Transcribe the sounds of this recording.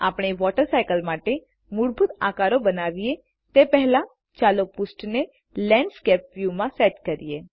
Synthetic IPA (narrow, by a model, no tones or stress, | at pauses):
aːpɽ̃eʋɔːʈəɾsaːjkəlmaːʈe | mʊɽbʱʊt̪a̰ːkaːɾobənaːʋije | t̪epɛɦlã | t͡ʃaːlopʊsʈne | lɛ̃ɳɖskɛːp̚ʋjumãsɛːʈkəɾieː